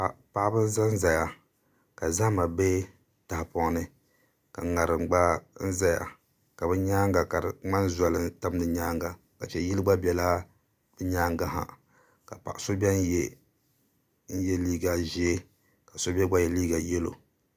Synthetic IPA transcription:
a˨pa˦ʔbɨ˦n˦za˦n̩˦za˨ja˨ | ka˨za˦ma˨be˦ | ta˨hpɔ˨ŋ˦nɨ˦ | ka˨ŋa˨ɾɨ˨ŋ͡mɡ͡ba˦n̩˦za˦ja̰˨ | ka˨bɛ˦ɲaː˦ŋɡa˨ka˨ɾŋ͡ma˦n˦za˨˦lɨ˦ta˦m˦nɨ˨ɲaː˦ŋɡa˨ | ka˨t͡ʃɛ˨ji˦lɨ˦ɡ͡ba˦bɛ˨la˦ | b̥ɨ˦ɲaː˦ŋɡa˦ɦa̰˨ | ka˨pa̰˨ʔso˦bɛ˦n˦jɛ˦ | n̩˦jɛ˦liː˦ɡa˨ʒi˦e˦ | ka˨so˦bɛ˦ɡ͡ba˦jɛ˨liː˦ɡa˨jɛ˦lo̰˨

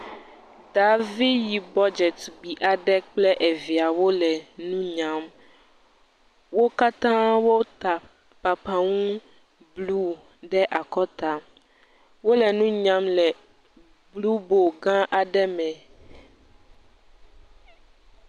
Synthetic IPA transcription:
da˨vi˦ji˨bɔ˦d͡ʒɛ˨t̪ɡ͡bi˨ʔa˨ɖɛ˦k͡plɛ˦ʔɛ˨vi˨a˨wo˦lɛ˨nũ˦ɲã˦m | wo˦ka˦t̪ã˦wo˦t̪a˨ | pa˨pa˨ŋũ˦ | blu˦ | ɖɛ˦ʔa˨kɔ˦t̪a˨ | wo˦lɛ˨nũ˦ɲã˦mlɛ˨ | blu˦bo˨ɡã˦ʔa˨ɖɛ˦mɛ̃˨

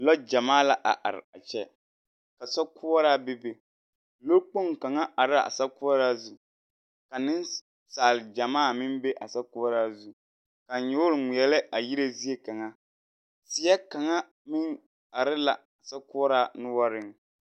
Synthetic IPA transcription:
lɔ˦d͡ʒa˨maː˦la˨ʔa̰˨ʔa̰˨ɾɪ̰˨a˨t͡ʃɛ˦ | ka˨sɔ˦kʰʊ˦ɔ˦ɾaː˦bɪ˦be˦ | lo˦k͡po˦ŋka˨ŋa˦ʔa˨ɾɪ˦˨a̰˨sa˦kʊ˦ɔ˦ɾaː˦zu˦ | ka˨nɪ˦n | saː˨lɪ˨d͡ʒa˨maː˦˨mɪ˦mbe˦ʔa˨sa˦kʊ˦ɔ˦ɾaː˦zu˦ | ka˨ɲʊ˦ʊ˦ɾɪ˨ŋi˨ɛ˨lɪ˦ʔa˨ji˦ɾe˦zi˦e˦ka˨ŋa˦ | sɪ˨˦ɛ˦ka˨ŋa˦ | mɪ˦ŋ | a˨ɾɪ˦la̰˨ | a˨sa˦kʊ˦ɔ˦ɾaː˦nʊ˦wa˦ɾɪ˦ŋ

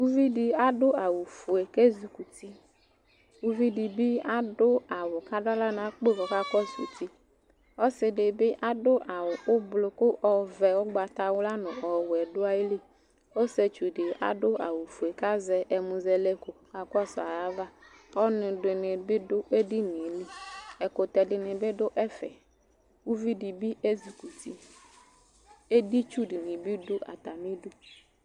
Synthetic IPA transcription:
u˦vi˦di˨a˦dʊ˦a˨wʊ˨fu˨e˨ke˦zu˨ku˨ti˦ | u˦vi˦di˨bɪ˦a˦dʊ˦a˨wʊ˨ka˦da˦la˦na˨˦k͡pe˦˨kɔ˨ka˦kɔ˦sṵ˨ti˦ | ɔ˦sɪ˨dɪ˨bɪ˦ʔa˦dʊ˦ʔa˨wʊ˨ʊ˦blʊ˨˦kʊ˦ʔɔ˨vɛ˨wʊ˦ɡ͡ba˨t̪a˨wʊ˦la˦nʊ˨ɔ˨wɛ˨dʊ˦a˦je˦li˦ | o˦sɛ˨t͡ʃu˨dɪ˨a̰˨dʊ˦a̰˨wʊ˨fu˨e˨ka˦zɛ˨ʔɛ˨mũ˨zɛ˦lɛ˦kʊ˨ | a˨kɔ˦sa˨ja˦va˦ | ɔ˦nʊ̃˨dɪ˨nɪ˨bɪ˦dʊ˦ʔe˦di˦nɪ̃˨˦li˦ɛ˨kʊ˨t̪ɛ˨dɪ˨nɪ̃˨bɪ˦dʊ˦ʔɛ˦fɛ̰˨ | wu˦vi˦di˨bi˦ʔe˦zi˨ku˨ti˨ | e˦di˦t͡ʃu˦di˨nɪ̃˨bi˦dʊ˦ʔa̰˨t̪a˨mĩ˦dʊ˦

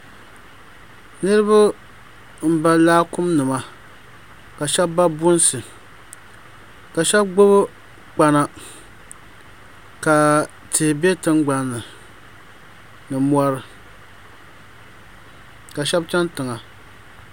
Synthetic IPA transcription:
nɨ˦ɾɨ˦ba˦ | m̩˦ba˦laː˦kʊ˦mnɨ˨ma˨ | ka˨ʃɛ˦bba˦bʊ˦nsɨ˨ | ka˨ʃɛ˦b̚ɡ͡bo˦β | k͡pa˨na˨ | ka˨ | tɪ˨hɪ˨be˦tɨ˦ŋɡ͡ba˦nːɨ˨ | nɨ˨mɔ˦ɾɨ˨ | ka˨ʃɛ˦bt͡ʃɛ˦ntɨ˨ŋa˨

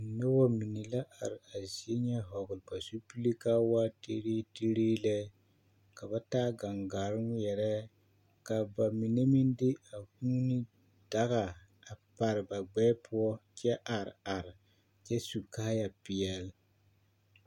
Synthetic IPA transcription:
nɛ˦wɔ˦mi˨nɛ˨la˦ʔa˨ɾɪ˨a˨zi˨˦e˦ɲɛ˦ɦɔ˨ɡʊ˨lba˨su˦pi˦li˦ka˦wa˦te˦ɾe˦te˦ɾeː˦lɛ˦ | ka˨ba˦taː˦ɡa˨ŋɡa˨ɾɨ˦ŋ˦jɛ˨ɾɛ˦ | ka˨ba˨mi˨ne˦mi˦ndɪ˦a˨huː˦ni˦ | d̥a˦ɣa˨ | a˨pa˨ɾɨ˨ba˨ɡ͡bɛː˦pʰʊ˦ɔ˦t͡ʃɛ˦ʔa˨ɾa˨ɾɪ˨ | t͡ʃɛ˦su˨ka˦hja˨pɪ˨ɛ˨l

